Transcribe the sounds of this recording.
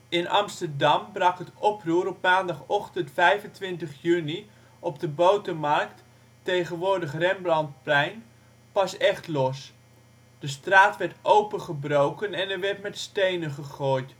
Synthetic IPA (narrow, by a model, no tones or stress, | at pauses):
ɪnʔɑ̰mstərdɑmbrɑkətɔpruːɾɔpmaːndɑχɔχtəntfɛjvəntʋɪntəχjyni | ɔb̚dəbowtəmɑrktː | ejχənʋʊːrdəχrɛmblɑnt̚plɛjn | pɑsɛχtlɔs | d̥əstraːtʋɛɹtʔowpəχəbrowkənɛnɛɹʋɛɹtmɛtstejnəχəχoːjt